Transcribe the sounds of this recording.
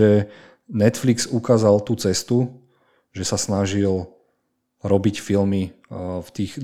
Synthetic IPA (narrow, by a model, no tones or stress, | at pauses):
ɛ | nɛt̪flikz̥ukaːzalt̪uːt͡sɛst̪u | ʒɛsasnaʒil | ɾɔbicfilmi | ft̪iːɣ